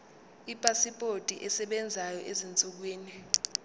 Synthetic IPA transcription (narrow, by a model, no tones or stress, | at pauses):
ipʼasipʼotʼiʔɛsɛɓɛnd͡zʱajɔʔezint͡sʼuk̬wiːni